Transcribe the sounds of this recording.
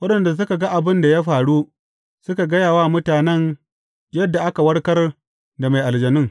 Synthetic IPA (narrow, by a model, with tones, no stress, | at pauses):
wɐ˦ɗɐ˨nda˨s̬ʊ˦ka˨ɡa˦ʔa˨bɪ˦nda˨ja˦ɸaː˨ɽu˦ | sʊ˦ka˨ɡɐ˦jaː˨wa˦mʊ˦taː˨nɛ˦n | jɐ˦dːa˨ʔa˦ka˨wɐ˦ɽkɐ˦r | da˨ma˨jʔa˨ld͡ʒɐ˨nɪ˦ŋ